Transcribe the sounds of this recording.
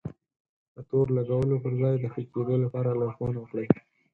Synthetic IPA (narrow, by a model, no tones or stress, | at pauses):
d̪̥ət̪oɾlaɡawəlopəɾzɑjd̪əxəked̪olapɑɾalɑzwanwəkɽəj